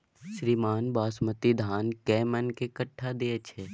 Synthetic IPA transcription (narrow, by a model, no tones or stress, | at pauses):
ʃɾiːmaːnbaːsmət̪id̪ʱaːnkɛːmənkekəʈʰːad̪eːt͡ʃʰɛː